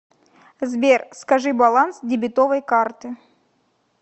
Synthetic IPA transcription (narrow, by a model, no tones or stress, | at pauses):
zbʲerskɐʐɨbɐlˠansdʲɪbʲɪt̪ovəjkart̪ɨ